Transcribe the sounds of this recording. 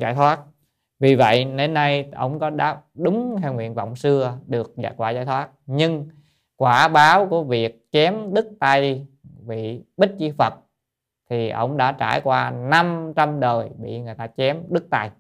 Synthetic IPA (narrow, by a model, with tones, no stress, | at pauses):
za̰ː˧˩jt̪ʰwaː˦˥t̚ | vi˨˩və̰˧˨jne˧˦nːa˧jʔə˧˩wŋ͡mkɔ˨˦ɗaː˦˥p̚ɗʊ˨˦ŋ͡mh̪ʰɛ˧wŋwḭ˧˨ənvɔ̰˧˨wŋ͡msɨ˧əɗɨ˨˩ək̚za̰ː˧˩jkwaː˧˩zaː˧˦jt̪ʰwaː˦˥t̚ɲɨ˧ŋ | kwaː˧˩ɓaː˨˦wku˧˩əvi˨˩ək̚t͡ɕɛ˨˦mɗɨ˦˥k̚t̪a˧jvḭ˧˨ɓï˦˥t̟̚t͡ɕi˧fə˨˩t̚ | t̪ʰi˨˩ʔə̰˧˩wŋ͡mɗa̰ː˧˥t͡ɕa̰ː˧˩jkwaː˧na˧mt͡ɕa˧mɗəː˨˩jɓḭ˧˨ŋɨ˨˩əjt̪aː˧t͡ɕɛ˨˦mɗɨ˦˥k̚t̪a˧j